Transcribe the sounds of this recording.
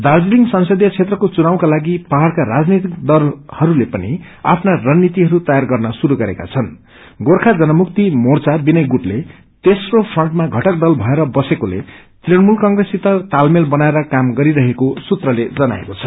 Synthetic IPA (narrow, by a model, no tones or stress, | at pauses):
d̪ard͡ziliŋɡsʌnsʌd̪ʱjʌt͡sʰet̪rʌkot͡sunaw̃kalaɡipaɦarkaɾad͡znit̪ik̚d̪ʌlhʌɾulepʌni | a̰pʰnarʌnːit̪iɦʌɾut̪ʌjarɡʌrnʌsuɾuɡʌɾeka̰t͡sʰʌn | ɡorkʰad͡zʌnʌmuk̚t̪imort͡sabinʌjɡuʈle | t̪esropʰrʌɳʈmaɡʱʌʈʌk̚d̪ʌlbʱʌeɾʌbʌsekolḛ | t̪renmulkʌŋɡresit̪ʌrt̪almelbʌnaeɾʌkamɡʌɾiɾʌɦekosut̪rʌled͡zʌna̰ḛkot͡sʰʌ̥